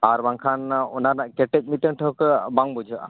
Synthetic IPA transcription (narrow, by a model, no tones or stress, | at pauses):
aɾbaŋkʰanɔnaɾnaʔkɛʈɛc̚ˀmiʈəŋʈʰəɦkəbaŋbud͡ʒʱəʔa̰